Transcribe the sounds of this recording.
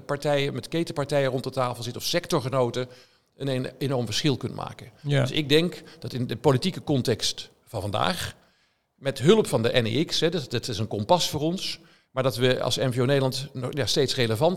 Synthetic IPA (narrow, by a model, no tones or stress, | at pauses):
pɑɹtɛjəmɛtkejtəpɑɹtɛjərɔntətaːflˠzɪtəɔfsɛktɔɹχənowtə | ənenɔɹmvəɹsχɪlˠkɵnə̰ma̰ːkənddɵsɪɡ̚dɛŋkd̥ɑtɪndəpolitikəkɔntɛkst | fɑnvɑnda̰ːχ | mɛtɦɵlˠəpfɑndəʔɛnḛɪksɦɛdtɪsənkɔmpɑsfʊːrɔns | maːɹdɑtʋəɑ̰lˠsɛmveonejdəlɑntnɔjastejtsreləvɑn